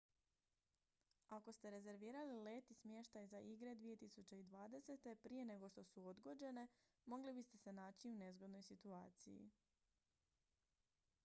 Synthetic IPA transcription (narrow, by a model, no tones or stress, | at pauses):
ako̞st̪e̞ɾe̞ze̞ɾʋiːɾalile̞ːt̪ismje̞ʃt̪ajzaʔiɡɾe̞d̪ʋije̞t̪isut͡ɕe̞id̪ʋaːd̪e̞se̞t̪e̞pɾije̞ne̞ɡo̞ʃt̪o̞suod̪ɡo̞d͡ʑe̞ne̞ | mo̞ɡlibist̪e̞se̞naːt͡ɕiune̞zɡod̪no̞jsit̪uaːt̪sḭjḭ